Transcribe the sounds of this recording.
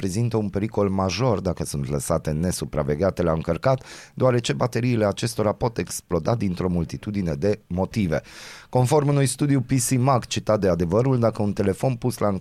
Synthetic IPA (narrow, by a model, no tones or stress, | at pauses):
pɾe̞zint̪əunpe̞ɾiko̞lmaʒo̞rd̪akəsunt̪ləsat̪e̞ne̞supɾa̰ve̞ɡʲat̪e̞laɨŋkərkat̪d̪oaɾe̞t͡ʃe̞bat̪e̞ɾiːle̞at͡ʃe̞st̪o̞ɾapo̞t̪e̞ksplo̞d̪ad̪int̪ɾo̞mult̪it̪ud̪ine̞d̪e̞mo̞t̪ive̞̰ko̞nfo̞rmunujst̪ud̪ijupisimakt͡ʃit̪at̪̚d̪e̞ad̪e̞vəɾuld̪akəunt̪e̞le̞fo̞npuslaɨŋ